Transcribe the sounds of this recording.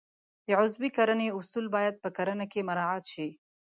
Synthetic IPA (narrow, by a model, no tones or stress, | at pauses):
d̪̥əʕʊzbikaɾəneʊsulbɑjad̪̚pəkaɾanakemaɾɑat̪ʃi